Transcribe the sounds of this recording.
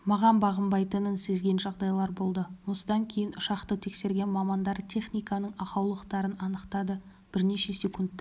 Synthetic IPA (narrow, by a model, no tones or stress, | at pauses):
mɑʁɑnbɑʁəmbɑjt̪ənənse̞zɡʲe̞nʒɑʁd̪ɑjlˠɑɾbo̞lˠd̪əwo̞səd̪ɑŋkʲʰe̞jɪnʊʃɑqt̪ət̪ʰe̞kse̞ɾɡʲe̞nmɑmɑnd̪ɑɾt̪ʲʰe̞χnijkɑnəɴɑqɑwlˠəqt̪ɑɾənɑnəqt̪ɑd̪ə | b̥ɪɾne̞ʃe̞sʲe̞kunt̪ː